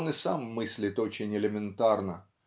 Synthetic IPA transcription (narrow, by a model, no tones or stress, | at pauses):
nɨsamːɨsʲlʲɪt̪o̞t͡ɕɪnʲɪlʲɪmʲɪnt̪arnə